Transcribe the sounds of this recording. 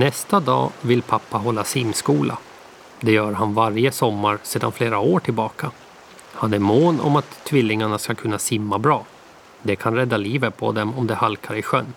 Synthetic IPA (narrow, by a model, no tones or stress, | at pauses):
nɛst̪ad̪ɑ̰ːvɪlpʰapːaɦɔlːasɪmːskuːlʔa̰ | d̪ɛjœːɾɦanvaɾjəsɔmːaɾseːd̪a̰nfleːɾaoːʈʰɪlbɑːkʰa | hanæɾmoːnɔ̰mat̪ʰːvɪlːɪŋaɳaskakʰɵnːasɪmːabɾɑː | d̪ɛkʰanɾɛd̪ːaliːvət̪̚pʰɔ̰d̪ɛmɔmd̪ɛhalkʰaɾɪɧœnː